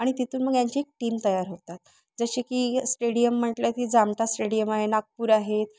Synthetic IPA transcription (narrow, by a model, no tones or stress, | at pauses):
aɽ̃it̪it̪ʰuːnməɡjaɲt͡ɕiek̚ʈiːmt̪əjaɾɦot̪at̪̚ | d͡zəɕikiːsʈeɽijəm̤ːəʈljat̪iːd͡zamʈasʈeɽijəmaɦenaɡ̚puːɾaɦet̪̚